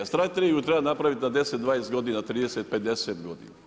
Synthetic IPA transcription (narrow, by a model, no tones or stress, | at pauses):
st̪ɾat̪eɾiɡut̪ɾebanapɾaʋit̪nad̪e̞set̪d̪ʋaːnest̪ɡo̞d̪inat̪ɾiːd̪eset̪̚ped̪eset̪ɡod̪ḭna